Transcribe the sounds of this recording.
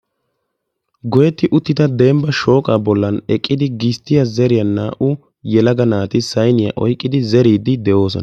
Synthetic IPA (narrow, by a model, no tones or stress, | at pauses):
ɡɔjɛt̪ːɪʔʊt̪ːɪt̪ɐd̪eːmbɐʃo̞ːkʼaːbɔlːɐnɛkʼːɪd̪ɪɡɪst̪ːɪjɐzɛɾɪjɐnːaːʔʊ | jɛlɐɡɐnaːt̪ɪsɐjnɪjɐ̰ʔɔ̰jkʼːɪd̪ɪzɛɾiːd̪ɪd̪ɛʔo̞ːs̬ɔ̰nɐ